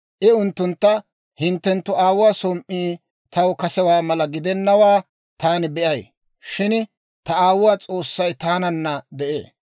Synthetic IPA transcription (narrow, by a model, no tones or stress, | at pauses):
ʔɪʊnt̪ːʊnt̪ːɐ | hɪnt̪ːɛnt̪ːʊaːwʊwaːsɔmʔːiː | t̪ɐwkɐsɛwaːmɐlɐɡɪd̪ɛnːɐwaː | t̪aːnɪbɛʔɐj | ʃɪn | t̪ɐaːwʊwaːt͡sʼo̞ːsːɐjt̪aːnɐnːɐd̪ɛʔḛː